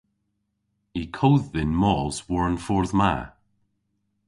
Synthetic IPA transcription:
ikʰoːðːɪnmɔz̥wɔɹənfɔɹðma̰

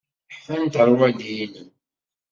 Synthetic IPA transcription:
ħfænt̪əɾˤwæd̪jilən

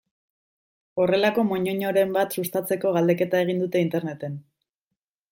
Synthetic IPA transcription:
o̞re̞lako̞mo̞ɲo̞ɲoɾe̞mbat̪sust̪at͡se̞ko̞ɣald̪e̞ke̞t̪ae̞ɣ̞ind̪ut̪e̞int̪e̞ɾne̞t̪e̞n

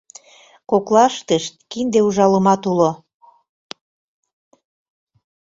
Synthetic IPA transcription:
koklɑʃt̪əʃt̪̚kind̪euʒɑləmɑt̪ulo

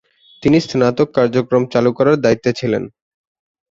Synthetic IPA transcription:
t̪inist̪nat̪okːaɾd͡ʑokɾomt͡ɕalukɔɾaɾd̪ait̪ːot͡ɕʰilḛn

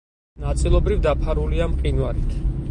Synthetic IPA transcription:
nat̪sʼilˠɔbɾivd̪apʰaɾuliamqʼinwaɾit̪ʰ

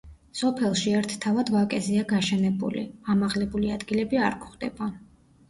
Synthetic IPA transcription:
sɔpʰɛlˠʃiɛɾt̪ʰt̪ʰavad̪vakʼɛzɛaɡaʃɛnɛbṵlḭamaʁlɛbuliad̪ɡilɛbiaɾkʰχd̪ɛ̰ba

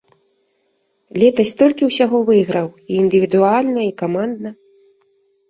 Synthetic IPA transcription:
lʲɛt̪ɐsʲt̪ɔlʲkʲiwsʲaɣɔvɨjɣɾɐwiːnd̪ɨvʲid̪ualʲnɐikamand̪nɐ

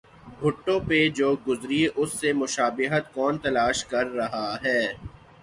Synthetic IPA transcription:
bʱʊʈːõped͡ʒoːɡʊzɾiʔʊsːemʊʃaːbɪɦət̪kɔːnt̪ɐlaːʃkɐɾːɐɦaɦɛː

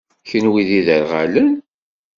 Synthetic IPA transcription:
çənwiðiðəɾʁalən

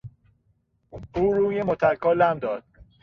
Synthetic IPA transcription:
uːɾuːjemot̪ʰæɾkʰɒːlæmd̪ɒːd̪̥̚

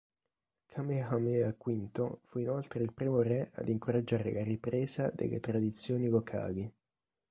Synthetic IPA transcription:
kʰamehameakːwint̪ofuinolt̪ɾeilpɾiːmoɾɛa̰d̪iŋkoɾad͡ʒːaːɾelaɾipɾeːzad̪ḛlḛt̪ɾad̪it̪sːjoːniɡokʰːa̰ːɡi

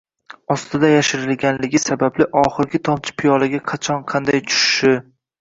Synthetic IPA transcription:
ɒst̪ɪd̪ajaʃɪɾɪlɡʲanlɪɡʲɪsabablɪʔɒχɨɾɡʲɪt̪ʰɒmt͡ʃʰɪ̥pʰɪjɒlaɡʲaqʰɑt͡ʃʰɒnqʰɑnd̪ajt͡ʃʰʊ̥ʃɪ̥ʃɪ

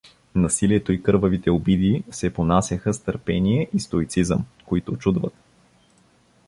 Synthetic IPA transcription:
nɐsiliɛt̪oikɤɾvəvit̪ɛobid̪isɛponasʲjɐxəst̪əɾpɛniɛʔist̪oit̪sizəmkoit̪ot͡ʃud̪vət̪̚

